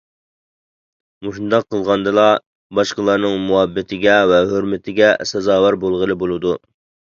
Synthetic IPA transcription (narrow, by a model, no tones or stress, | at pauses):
moʃund̪ɑqʰːəlˠʁɑnd̪ɨlˠɑ | bɑʃqəlˠɑɾnɨŋmuɦɛbːɪt̪ʰɪɡʲɛvɛɦøɾmɪt̪ʰɪɡʲɛsɛzɑːwæɾbolˠʁəlˠɨbolˠɨd̪u